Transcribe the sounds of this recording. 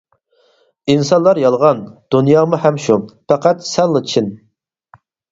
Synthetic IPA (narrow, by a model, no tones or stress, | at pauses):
insɑnlˠɑɾjɑlˠʁɑnd̪̥unjɑːmuhɛmʃupʰæqʰæt̪sɛlˠːɨt͡ʃʰin